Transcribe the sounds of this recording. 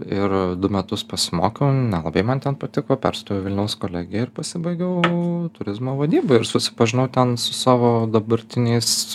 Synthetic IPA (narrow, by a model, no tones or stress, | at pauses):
ɪɾd̪ʊmʲɛt̪ʊspɐsʲɪmo̰ːkʲɛʊnʲɛlˠɐbɐɪmɐnt̪ʲɛnpɐt̪ʲɪkoːpʲɛ̰ɾst̪oːjɛʊʋʲɪlʲnʲɛʊskoːlʲæːɡʲɪɛɪɾpɐsʲɪbɐɪɡʲɛʊt̪ʊɾʲɪzmoːʋɐd̪ʲiːbɐːɪɾsʊsʲɪ̥pɐʒʲɪnɐʊt̪ʲɛnsʊsɑːʋoːd̪ɐbɐɾʲt̪ʲɪnʲɛɪs